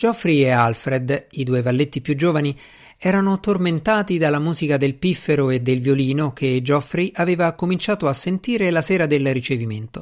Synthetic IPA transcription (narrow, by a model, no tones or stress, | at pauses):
d͡ʒɔfɾiealfɾed̪id̪uːevalːet̪ːipjud͡ʒːoːvani | ɛːɾanot̪orment̪aːt̪id̪alːamuːzikad̪elpifːeɾoed̪ːelvjoliːnok̟ed͡ʒɔfɾiʔaveːvakomint͡ʃaːt̪oasːent̪iːɾelasɛːɾad̪elrit͡ʃeviment̪o